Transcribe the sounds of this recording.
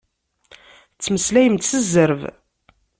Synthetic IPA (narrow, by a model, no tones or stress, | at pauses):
t͡sːməslæjəmt̪səzːəɾv